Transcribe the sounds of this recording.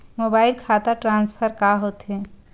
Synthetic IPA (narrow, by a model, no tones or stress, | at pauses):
mobaːɪlkʰat̪aʈɾãːnspʰəɾkaɦot̪ɦɛ̃